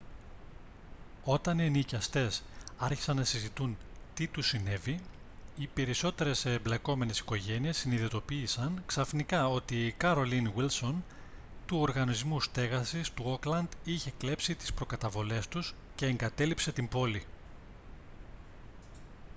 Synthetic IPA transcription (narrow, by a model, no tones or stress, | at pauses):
o̞t̪ɐnenicɐst̪e̞sɐɾçi̥sɐnnɐsizit̪unt̪it̪usine̞vi | ipe̞ɾiso̞t̪e̞ɾe̞sːmble̞ko̞me̞ne̞si̥ko̞ʝe̞niesːiniðit̪o̞piːsɐnksɐfnikɐo̞t̪ikɐɾo̞linwilso̞n | t̪uo̞ɾɣɐnizmust̪e̞ɣɐsist̪uo̞klɐnd̪içe̞kle̞psit̪i̥spɾo̞kɐt̪ɐvo̞le̞st̪us | ce̞ːŋɡɐt̪e̞lipse̞t̪imbo̞li